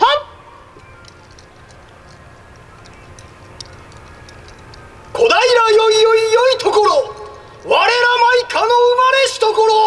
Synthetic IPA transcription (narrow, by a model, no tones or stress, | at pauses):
ha | ko̞d̪aiɾajoijoijoit̪ʰo̞ko̞ɾo | βaɾe̞ɾamaikʰanoɯmaɾeɕi̥t̪oko̞ɾo